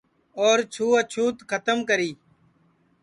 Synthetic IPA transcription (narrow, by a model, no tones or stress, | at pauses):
oːɾt͡ʃʰuːət͡ʃʰuːt̪kʰət̪əmkəɾiː